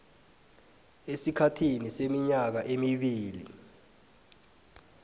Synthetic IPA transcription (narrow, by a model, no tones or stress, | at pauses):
esikʰatʰinisemiɲak̬aʔemiɓiːlḭ